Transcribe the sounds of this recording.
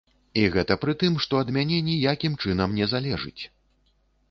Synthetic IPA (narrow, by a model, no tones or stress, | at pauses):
iɣɛt̪ɐpɾɨt̪ɨmʂt̪ɔɐd̪mʲanʲɛnʲijakʲimt͡ʂɨnɐmnʲɛzalʲɛʐɨ̰t͡sʲ